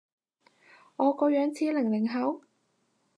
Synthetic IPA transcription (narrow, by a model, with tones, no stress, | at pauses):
ŋɔː˨˧kɔː˧jœː˨˥ŋt͡sʰiː˨˥lɪ˨˩ŋlɪ˨˩ŋɦɐ˨˥w